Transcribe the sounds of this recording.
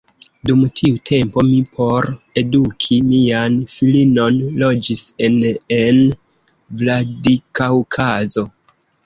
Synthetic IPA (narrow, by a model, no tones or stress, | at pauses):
dumtʰiutʰe̞mpo̞mipʰo̞ɾe̞dukʰimianfilino̞nlo̞d͡ʒise̞nen | vladikaukʰazo̞